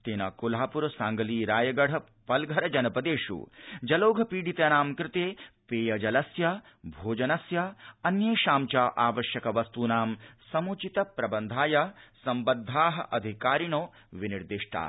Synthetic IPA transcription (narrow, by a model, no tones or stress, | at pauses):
t̪eːnɐkulaːpuɾɐsaːŋɡɐliːɾaːjɐɡɐɽ̤ɐ | pɐlɡʱɐɾɐd͡ʒɐnɐpɐd̪eːʂṵːd͡ʒɐloːɡʱɐpiːɽit̪ɐnaːmkɾɪt̪eːpeːjɐd͡ʒɐlɐsjɐ | bʱoːd͡ʒɐnɐsjɐɐnjeːʃaːmt͡ʃaːʔaːʋɐʃjɐkɐʋɐst̪uːnaːmsɐmut͡ʃit̪ɐpɾɐbɐnd̪ʱaːjɐsɐmbɐd̪ʱaːɦɐʔɐd̪ʱikaːɾiɳoː | ʋiniɾd̪iʂʈʰa̰ː